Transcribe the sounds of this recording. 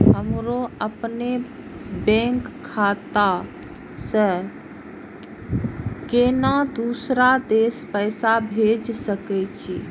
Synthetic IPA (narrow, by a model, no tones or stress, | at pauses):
ɦəmɾoəpne | bẽŋkʰːat̪a | sə | kenad̪usɾad̪espəɪsabʱed͡ʒsəkɛt͡ʃʰi